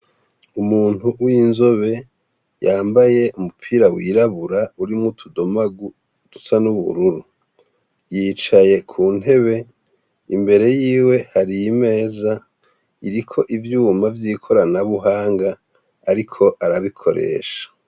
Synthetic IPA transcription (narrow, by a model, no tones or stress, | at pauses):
umuːn̥huwinzoβe̞ | jaːmbaje̞ʔumupʰiːɾawiːɾaβuɾauɾimŋutʰudo̞maɡu | tu̥sanuβṵɾuɾu | jiːt͡ʃaje̞kʰuːn̥e̞βe̞ | imbe̞ɾe̞jiːwe̞haɾijime̞ːza | iɾikʰo̞ʔivjuːmavjiːkʰo̞ɾanaβuɦaːŋɡaː | ɾikʰo̞ʔaɾaβikʰo̞ɾe̞̰ːʃḁ